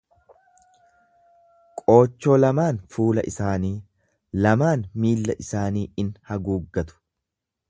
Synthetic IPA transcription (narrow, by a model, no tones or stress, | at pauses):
kʼo̞ːt͡ʃːo̞ːlɐmaːnfuːlɐ̰ʔɪsaːniː | lɐmaːnmiːlːɐʔɪsaːniːɪnhɐɡuːɡːɐt̪ʊ̥